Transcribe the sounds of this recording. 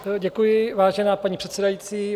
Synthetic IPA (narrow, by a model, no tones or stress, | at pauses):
ɟɛkujɪvaːʒɛnaːpaɲiːpr̥ɛt̪sɛdajiːt͡siː